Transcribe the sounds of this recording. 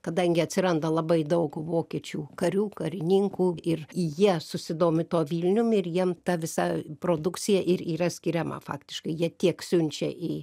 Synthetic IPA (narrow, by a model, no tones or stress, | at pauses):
kɐd̪ɐŋʲɡʲɪɐt̪ʲsʲɪɾɐnd̪ɐlˠɐbɐɪd̪ɐʊkʋoːkʲiɛt͡ʃʲuːkɐɾʲuːkɐɾʲɪnʲiŋkuːɪrjiɛsʊsʲɪd̪oːmʲɪt̪oːʋʲiːlʲnʲʊmɪɾjiɛmt̪ɐʋʲɪsɐpɾoːd̪ʊk̪t͡s̪ʲɪjɛʔɪɾiːrɐsʲkʲɪɾʲɛmɐ̰fɑ̰ːkt̪ʲɪʃkɐɪjiɛt̪ʲiɛksʲʊnʲt͡ʃʲɛ̰ʔi